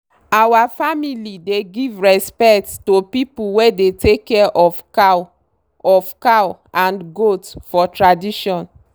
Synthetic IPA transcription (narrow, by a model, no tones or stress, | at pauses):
awafamilideɡivɹɛspɛkttopipuwedetekːɛʔɔfka | ɔfkawãnɡotfɔtɹadiʃɔ̃n